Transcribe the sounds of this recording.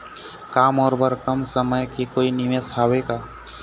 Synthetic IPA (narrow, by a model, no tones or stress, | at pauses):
kaːmɔːɾbəɾkəmsəməjkikoːiniʋesɦaːweɡaː